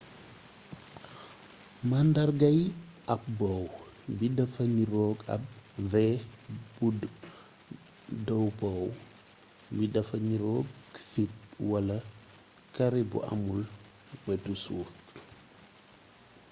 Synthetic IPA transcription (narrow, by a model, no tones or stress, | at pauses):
mɐndɐrɡɐj | ɐp̚bɔw | bidɐfɐɲiɾɔːɡɐ̰p̚vɛbud | dɔwpɔw | bidɐfɐɲiɾɔːkfit̚wɐlɐ | kɐɾibṵʔɐ̰mul | wɛtusuːf